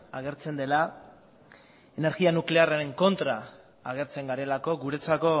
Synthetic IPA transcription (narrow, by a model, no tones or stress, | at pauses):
aɣ̞e̞ɾt͡se̞nd̪e̞la | ene̞ɾɣianukle̞araɾe̞ŋko̞nt̪ɾaː | ɣ̞e̞ɾt͡se̞ŋɡaɾe̞lako̞ɣuɾe̞t͡sako̞